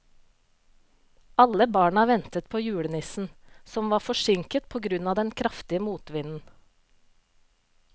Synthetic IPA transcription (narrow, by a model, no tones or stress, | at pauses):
ʔɑləbɑːɳɑʋɛnt̪ət̪̚pʰoːjʉːɽənɪsn̩sɔmʋɑːfɔʃɪŋkət̪pʰoːɡɾʉnɑːd̪ɛnkʰɾɑft̪ɪəmuːt̪ʋɪnn̩